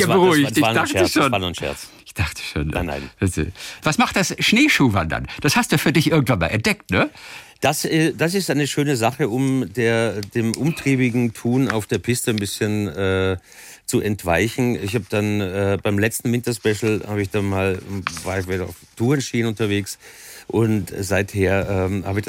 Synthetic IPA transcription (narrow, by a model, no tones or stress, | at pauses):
jaːbəʁuɪɪç̥ɪdaχəʃoːnaʊnʃɛ̰ɐt͡s | ɪçd̥aχtʰə̥ʃo̰ːnna̰ɪnzo̰v̥asmaχt̚d̥asʃneːʃuːva̰ndɐ̰nd̥ashastd̥uːfyːɐdɪçʔɪɐɡŋ̩tvanma̰lʔɛ̰ɐntd̥ɛk̚tnəd̥asɛd̥asɪstaɪnəʃøːnəzaχəʔʊmdeːɐdeːmʔʊmtʁ̥iːbɪɡŋ̩tʰuːna̰ʊfd̥eːɐpʰɪstənbɪsçənɛː | t͡suʔɛntv̥aɪçn̩ɪ̰çhaːbəd̥anɛːbaɪmlɛt͡stn̩vɪntɐspɛʃl̩haːbəɪçd̥anmaːlvaːɐɪçvɛɐa̰ʊftʰuːɛnʃiːənʊntɐveːksʔʊntz̥aɪtheːɐʔɛːmhaːbɪç̥